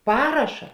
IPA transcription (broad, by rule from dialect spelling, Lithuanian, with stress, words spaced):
ˈpɑːrɐʃɐ